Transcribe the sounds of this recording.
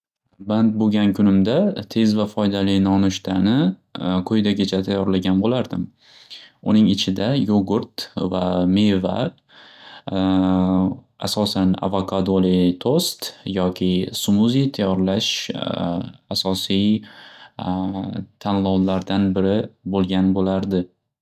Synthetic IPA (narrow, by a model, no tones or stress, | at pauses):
bant̪̚boɡʲankʲʰʊnɪmd̪at̪ʰe̞zvafɒjd̪alijnɒnʊʃt̪ʰanɪkʰɵjd̪aɡʲat͡ʃʰat̪ʰajɒɾlaɡʲanbolaɾd̪ɪm | ʊnɪŋɪt͡ʃʰɪd̪ajoɡʊɾt̪vameva̰ | asɒsana̰vokʰad̪olit̪ʰost̪jɒkʲʰɪsʊmuzijt̪ʰajɒɾlaʃ | asɒsij | t̪ʰanlˠɒwlaɾd̪anbɪɾɪbolˠɡʲanbolaɾd̪ɪ